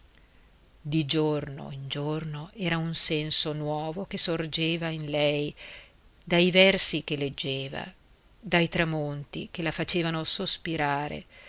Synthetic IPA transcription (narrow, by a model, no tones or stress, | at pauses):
d̪id͡ʒorno̰ind͡ʒornoɛːɾaunsɛnsonwɔːvokesord͡ʒeːvainlɛj | d̪ajvɛrsikeled͡ʒːeːva̰ | d̪ajt̪ɾamont̪ḭkelafat͡ʃeːvanosospiɾaːɾḛ